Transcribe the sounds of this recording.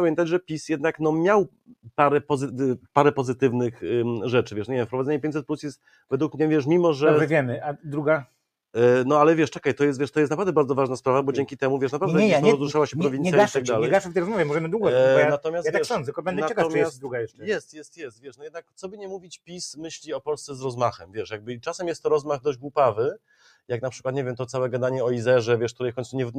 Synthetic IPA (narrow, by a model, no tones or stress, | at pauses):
amʲɛnt̪ad͡ʑʐɛpʲisjɛd̪naknɔmʲjaw | paɾɛpɔzɘpaɾɛpɔzɘt̪ɘvnɘxʐɛt͡ʂɘvʲɛʂɲɲevʲjɛmfpɾɔvad̪ɛɲɛpʲẽɲt͡ɕsɛt̪plusjɛst̪̚ | vɛd̪wukmɲɛvʲjɛʂ̬mʲimɔʐɛɔbʐɛvʲjɛmɘad̪ɾuɡa | nɔalɛvʲjɛʂt͡ʂɛkajt̪ɔjɛst̪vʲjɛʂt̪ɔjɛsnapɾavd̪ɛbaɾd̪zɔvaʐnaspɾavabɔd͡ʑɛŋʲkʲit̪ɛmuvʲjɛʂ̬napɾadd̪ɛɛɾɔzɾuʂawaɕɛpɾɔvʲinsjaaʂt̪aɡ̚d̪alɛɛjɡaʂft̪ɛjɾɔzmɔvʲjɛmɔʐɛmɘd̪wuɡɔjanat̪ɔmʲjasjatvaɛsɔnɛtkɔbɛndnɛat͡ɕɛkaɔmjɛast̪d̪ɾuɡajɛʂɛjɛst̪jɛst̪jɛst̪vʲjɛʂnɔjɛd̪nak̚t̪sɔbɘɲɛmuvʲit͡ɕpʲismɘɕlʲiɔpɔlst̪sɛzɾɔzmaxɛmvʲjɛʂjaɡ̚bɘt͡ʂasɛmjɛst̪ːɔɾɔzmaɣd̪ɔʑd͡ʑɡwupavɘ | jaknapʂɘ̥kwat̪ɲeɛvʲjɛmt̪ɔt̪sawɛɡad̪aɲɛɔizɛʐɛvʲɛʂkt̪uɾɛjfkɔ̃ɲnsuɲɛ